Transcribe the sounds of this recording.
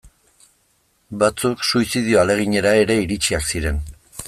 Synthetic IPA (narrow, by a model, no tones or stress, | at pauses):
bat͡suksuisið̞io̞ale̞ɣ̞iɲe̞ɾae̞ɾe̞iɾit͡ʃiaksiɾe̞n